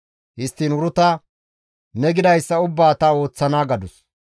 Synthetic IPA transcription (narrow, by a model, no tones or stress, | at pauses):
hɪst̪ːiːnʊɾʊt̪ɐ | nɛɡɪd̪ɐjsːɐʊbːaːt̪ɐo̞ːt͡sːɐnaːɡɐd̪ʊs